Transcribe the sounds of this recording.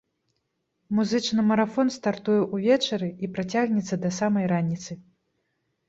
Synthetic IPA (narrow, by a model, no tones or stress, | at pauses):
muzɨt͡ʂnɨmɐɾafɔnst̪art̪ujɛʔuvʲɛt͡ʂɐɾɨipɾat͡sʲaɣnʲɛt̪sːɐd̪ɐsamɐjɾanʲit̪sɨ